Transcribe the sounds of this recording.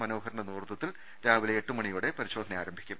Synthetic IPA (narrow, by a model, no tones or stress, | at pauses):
mɐno̞ːɦɐɾɳɐnuːrt̪ːɐt̪ːil | ɾaːʋileeʈːɨmɐɳijuːɽe̞pɐɾiɕo̞ːd̪ʱɐneaːɾɐmbʱikʲːum